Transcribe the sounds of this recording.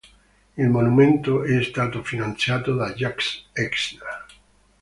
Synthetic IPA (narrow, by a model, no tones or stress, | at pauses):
elmonumẽnt̪oeːst̪at̪ofinãnθjat̪oðaʝakseksna